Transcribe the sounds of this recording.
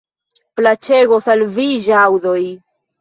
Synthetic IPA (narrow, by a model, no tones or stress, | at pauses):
plat͡ʃe̞ɡosalviʒawdoj